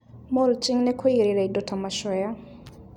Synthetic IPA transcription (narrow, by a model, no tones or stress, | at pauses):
mɔlt͡ʃɪŋnɛkʰɔiɾɪɾaidɔtʰamaʃɔja